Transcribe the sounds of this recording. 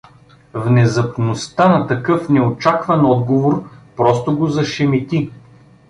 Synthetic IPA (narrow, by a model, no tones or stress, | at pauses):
vnɛzɐpnost̪anɐt̪ɐkɤfnɛot͡ʃakvɐnɔd̪̚ɡovoɾpɾɔst̪oʊɡozɐʃɛmit̪i